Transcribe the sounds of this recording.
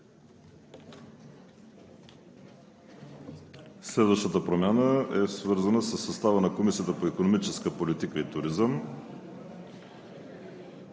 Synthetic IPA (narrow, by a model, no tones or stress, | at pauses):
slɛd̪vəʃt̪ət̪əpɾomʲjanəɛsvɤɾzənəsəsːɐst̪avənɐkomisiət̪əpoikonomit͡ʃɛskəpolit̪ikəit̪ʊɾizəm